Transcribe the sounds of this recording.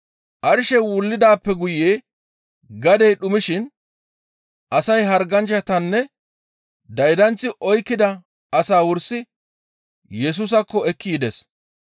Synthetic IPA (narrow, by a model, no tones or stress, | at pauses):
ʔɐɾɪʃɛwʊlːɪd̪aːpːɛɡʊjeː | ɡɐd̪ɛjɗʊmɪʃɪn | ʔɐsɐjɦɐɾɡɐnt͡ʃːɐt̪ɐnːɛ | d̪ɐjd̪ɐnt͡sːɪʔɔjkːɪd̪ɐ | ɐsaːwʊɾsɪ | jɛs̬uːs̬ɐkːɔɛkːiːd̪ɛs